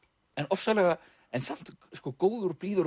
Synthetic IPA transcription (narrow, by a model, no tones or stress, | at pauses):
ɛnɔfsalɛɣa | ɛnsam̥t̪skɔːkoːwðʏɾpliːðʏɾ